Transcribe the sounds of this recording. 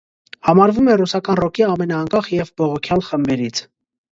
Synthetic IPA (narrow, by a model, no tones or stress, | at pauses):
hɑmɑɾvumɛrusɑkɑnrɔkiɑmɛnɑːŋkɑχjɛvbɔʁɔkʰjɑlχəmbɛɾit͡sʰ